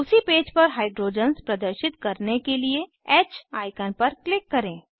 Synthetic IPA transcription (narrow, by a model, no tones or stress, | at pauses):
ʊsipeːd͡ʒpɐɾɦaːɪɖɾoːd͡ʒənspɾɐd̪əɾʃɪt̪kɐɾnekelie | ɛːt͡ʃaːɪkənpɐɾklɪkːɐɾẽː